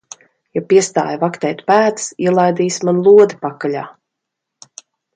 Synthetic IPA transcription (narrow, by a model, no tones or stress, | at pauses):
japiɛst̪a̰ːjvakt̪ɛːjt̪pæːt̪siɛlˠajd̪iːsmanlˠuɔd̪ipakalʲa̰ː